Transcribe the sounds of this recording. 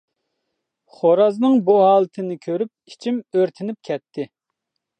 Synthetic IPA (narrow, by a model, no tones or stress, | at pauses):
χoɾɑznɨŋbuɦɑːlˠɨt̪ʰɪnɪkʲʰøɾyp̚it͡ʃʰimøɾt̪ʰɪnɪp̚kʲʰɛt̪ʰːɪ